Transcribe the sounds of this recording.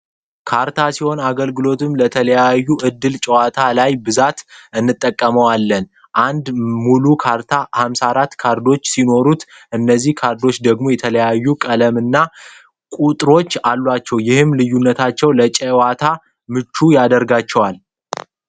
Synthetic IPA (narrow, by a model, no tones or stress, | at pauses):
kʰaɾt̪ʰasiho̞naɡəlɡɨlo̞t̪ʰɨmlət̪ʰələjajːuʔɨd̪ːɨlt͡ʃʼɛwat̪ʰalajbɨzat̪ʔɨnːɨt̪ʼːəkʼːəməwalːən | ʔand̪mulukʰaɾt̪ʰahamsaɾat̪ːkʰaɾd̪o̞t͡ʃːsino̞ɾut̪ | ʔɨnːəzːihkʰaɾd̪o̞t͡ʃːd̪əɡmo̞jɛt̪ʰələjajːukʼələmɨnːa | kʼut̪ʼɾo̞t͡ʃːalːwat͡ʃːɛwjɪhɨmlɨjːunːət̪ʰat͡ʃːɛwlət͡ʃʼɛwat̪ʰa | mɨt͡ʃːujad̪əɾɡat͡ʃːɛwal